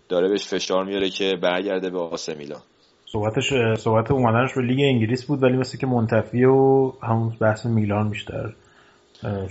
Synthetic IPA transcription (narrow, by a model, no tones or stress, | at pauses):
d̪̥ɒːɾebeʃfe̞ʃɒːɾmijɒɾecʰe̞bæɾɟæɾd̪ebeɒsemḭːlɒ̰ːn | sohbæt̪ʰeʃsohbæt̪ʰeumæd̪æneʃbe̞liːɡe̞iŋɲɟiliːsbuːd̪vælimeslece̞mont̪ʰæfieohæmunbæhsemiːlɒːnbiʃt̪ʰæ̰ɾ